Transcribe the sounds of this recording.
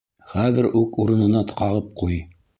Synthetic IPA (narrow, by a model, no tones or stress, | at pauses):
χæðɘɾʉkuɾɤ̆nɤ̆nɑt̪ɤ̥̆qɑʁɤp̚quj